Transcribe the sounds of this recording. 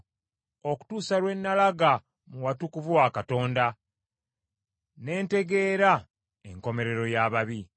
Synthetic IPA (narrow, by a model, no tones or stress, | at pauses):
o̞ku̥tuːsalwe̞nːalaɡa | muwatukuvuwaːkato̞ːnda | ne̞ːnte̞ɡe̞ːɾa | eŋko̞me̞ɾe̞ɾo̞jaβaβi